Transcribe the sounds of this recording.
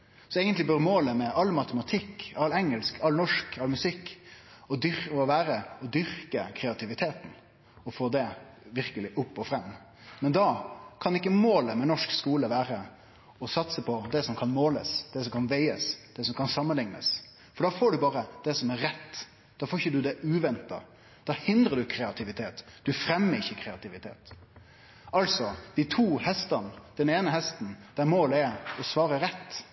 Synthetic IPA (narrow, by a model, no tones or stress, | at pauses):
sɔɛɪɡənt̪lɪbœɾmoːləmɛʔɑlmɑt̪əmɑt̪ʰɪkːɑlːɛŋːəlskʰɑlnɔʂkɑlmʉsɪkːɔd̪ʏɾɔʋæːɾəɔd̪ʏɾkəkʰɾɛɑt̪ʰɪʋɪt̪ʰeːt̪n̩ | ɔfoːd̪ɛ | ʋɪɾkəlɪʔʊpːɔfɾɛmː | mɛnd̪ɑkʰɑnɪkːəmoːləmɛnɔʂkskuːləʋæːɾə | ɔsɑt̪səpʰɔd̪ɛsɔmkʰɑnmoːlə̰sd̪̥ɛsɔmkʰɑnʋæɪəsd̪̥ɛsɔmkʰɑnsɑmːənlɪŋnə̰s | fɔɖɑːfoːɖʉbɑːɾəd̪̥ɛsɔmɛɾɾɛt̪ː | d̪̥ɑːfoːɪçəd̪ʉd̪ɛʔʉːʋɛnt̪ɑ̰ | d̪̥ɑhɪnd̪ɾəɖ̪ʉkʰɾɛɑt̪ʰɪʋɪt̪ʰeːt̪d̪̥ʉfɾɛmːəɾɪçːəkʰɾɛɑt̪ɪʋɪt̪ʰḛːt̪ | ɑlsɔd̪̥ɪt̪ʰuːhɛst̪ɑnd̪̥ɛneːnəɦɛst̪n̩d̪̥æɾmoːləɛɾɔsʋɑːɾəɾɛt̪ː